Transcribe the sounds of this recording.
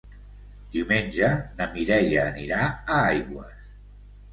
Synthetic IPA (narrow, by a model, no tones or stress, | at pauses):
d̪̥iuwmenʲʒənəmiɾɛjaːniɾaəajɣwə̰s